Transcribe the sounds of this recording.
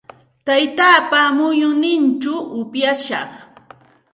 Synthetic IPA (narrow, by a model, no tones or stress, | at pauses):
t̪ajt̪aːpamʊjʊnɪnt͡ʃʊʔʊpjaʃɑχ